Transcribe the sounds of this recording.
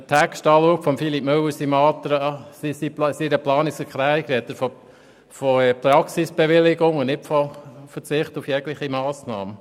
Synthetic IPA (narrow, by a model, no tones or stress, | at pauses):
tʰækstɑːloːkfɔmfilip̚mɵwəɾsimɑːt̪ɾəsisipsiɾəplɑːnɪsəkɾæjkɾɛt̪əfo | foɛpɾɑksisb̥eʋɪlɪɡʊŋʊnnɪpfɔfət͡sɪχtufjɛɡləχimɑːsnɑ̰ːmə